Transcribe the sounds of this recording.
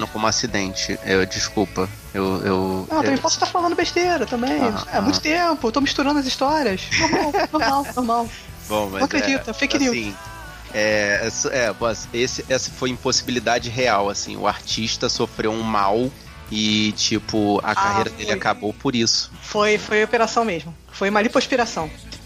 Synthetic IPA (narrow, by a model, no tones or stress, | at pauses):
nʊkõmʊasid̪ẽnt͡ʃɪ̰ɛd͡ʒiskuwpɐ | ewewɐ̃w̃tɐmẽj̃pɔsʊ̥ʃt̪aɾfalɐ̃nd̪ʊbeʃt̪eɾɐt̪ɐ̃mbẽj̃amũt̪ʊt̪ẽpʊet̪omiʃt̪uɾɐ̃nd̪ʊɐziʃt̪ɔɾiɐsomawnomawnomaw | bõw̃mɐ̃akɾed͡ʒit̪ɐfikinĩĩ | ɛɛsʊʔɛbɔsesɪʔɛsɪ̥fojĩposi̥bilid̪ad͡ʒɪɦeawasḭ̃ʊ̰a̰ɾt͡ʃiʃt̪ɐsofɾewũmaw | ɪt͡ʃipʊɐ̰kahejɾɐd̪elɪakabowpʊɾisʊ̥fojfojopeɾasɐ̃w̃meʒmʊ | fojũmɐlipɾoʃpiɾasɐ̃w̃